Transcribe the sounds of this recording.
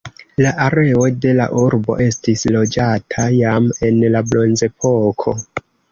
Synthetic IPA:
laʔaɾe̞o̞de̞la̰ʔuɾbo̞̰ʔe̞stislo̞d͡ʒatʰajame̞nlablo̞nze̞pʰo̞kʰo̞

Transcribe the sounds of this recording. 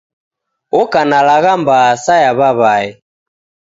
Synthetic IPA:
ɔkanalaɣambasajaβaβai

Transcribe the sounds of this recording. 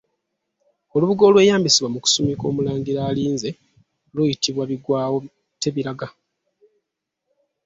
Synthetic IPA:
o̞luβuɡo̞ːlwe̞jaːmbisiβwamuku̥sumiko̞̰ːmulaːŋɟiɾaːliːnze̞ | lujitiβwaβiɡwaːwo̞ | te̞βiɾaɡa

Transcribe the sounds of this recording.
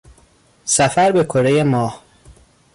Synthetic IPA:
sæfæɾbekʰoɾejemɒːh

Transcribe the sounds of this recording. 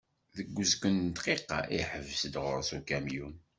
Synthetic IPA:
ðəɡʷːəzkənt̪qiqːɑ̰ʔiħəvsəd̪ʁʊ̰ɾsukæmjun

